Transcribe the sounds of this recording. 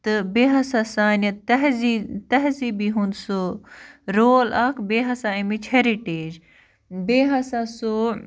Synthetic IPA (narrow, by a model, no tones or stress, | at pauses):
t̪ɨbeːɦɐsaːsaːnɐt̪ɐɦzit̪ɐɦziːbiːɦũnd̪so | ɾoːlɐːkʰbeːɦɐsaːimit͡ʃʰeɾiʈeːd͡ʒ | beːɦɐsaso